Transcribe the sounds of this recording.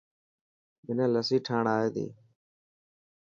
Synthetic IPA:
mɪnẽːləsiːʈʰaːɳaːeːd̪ḭː

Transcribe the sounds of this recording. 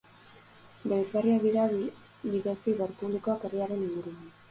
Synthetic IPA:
beɾezɣariaðiɾa | βiðesiðoɾpuβliko̞ake̞riaɾe̞niŋɡuɾuan

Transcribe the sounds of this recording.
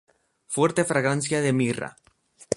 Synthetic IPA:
fweɾt̪efɾaɣansjaðemira̰

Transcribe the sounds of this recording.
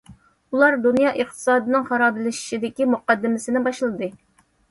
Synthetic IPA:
ulˠɑɾd̪unjɑːʔəχt̪ʰɨ̥sɑːd̪ɨnɪŋχɑɾɑːbɪlɪʃi̥ʃid̪ɪkʲimuqɑd̪ːɪmɪsɪnɪbɑʃlˠɨd̪ɨ

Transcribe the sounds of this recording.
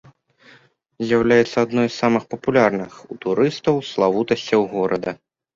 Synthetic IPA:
zʲjawlʲajɛt̪sːɐad̪nɔjssamɨxpɐpulʲarnɨxut̪uɾɨst̪ɐwslˠavut̪ɐsʲt͡sʲɐwɣɔɾɐd̪ɐ

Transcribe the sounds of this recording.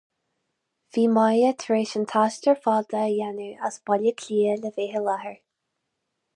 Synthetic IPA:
viːmajət̪ʰɹeːʃənt̪ʰaʃtəɹfɑːd̪əjanuʔasb̥ɔlʲəkʰlʲiːələveːɦəlahəɹ

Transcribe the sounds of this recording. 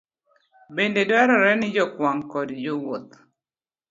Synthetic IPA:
bendedwaɾɔɾɛnɪd͡ʒɔkwaŋkɔdd͡ʒowot̪̚

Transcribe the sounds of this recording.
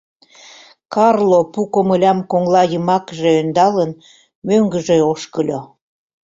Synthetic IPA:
kɑrlopukomə̆lʲɑmkoŋlɑjəmɑkʒeønd̪ɑlən | møŋɡə̆ʒeoʃkəlʲo

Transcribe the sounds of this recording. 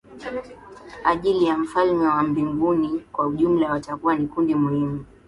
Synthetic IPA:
aʄilijam̩falmɛwam̩biŋɡunikwauʄum̩lawatakuwanikundimuhimu

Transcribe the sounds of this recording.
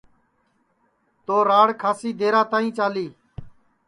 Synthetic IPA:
t̪oːɾaːɽkʰaːsiːd̪eːɾaːt̪aːĩːt͡ʃaːliː

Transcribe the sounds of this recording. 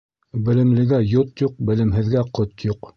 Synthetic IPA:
bɘ̆lɘ̆mlɘ̆ɡæjot̪juq̚bɘ̆lɘ̆mɦɘ̆ðɡæqot̪juq

